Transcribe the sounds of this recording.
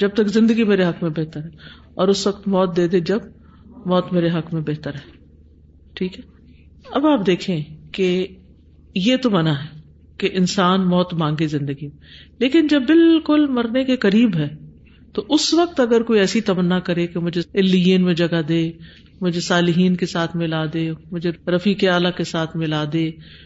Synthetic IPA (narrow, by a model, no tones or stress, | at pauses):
d͡ʒɐb̚t̪ɐkzɪ̃nd̪əɡimeːɾeɦɐkmẽbɛɦt̪əɾɦɛː | ɔːɾʊsʋɐkt̪mɔːt̪̚d̪eːd̪ed͡ʒɐb̚ | mɔːt̪meːɾeɦɐkmẽbɛɦt̪əɾɦɛː | ʈʰiːkɦɛː | ɐbaːpd̪eːkʰẽke | jet̪omɐnaɦɛː | keʔɪnsaːnmɔːt̪mãːŋɡezɪ̃nd̪əɡimeleːkɪnd͡ʒɐbːɪlkʊlmɐɾnekekɐɾiːbɦɛː | t̪oʔʊsʋɐk̚t̪ɐɡəɾkoːiɛːsit̪ɐmənːakɐɾekemʊd͡ʒʱeɪlːijẽnmẽd͡ʒɐɡad̪eː | mʊd͡ʒʱesaːlɪɦiːnkesaːt̪ʰmɪlad̪eːmʊd͡ʒʱeɾɐfiːkeaːlakesaːt̪ʰmɪlaːd̪eː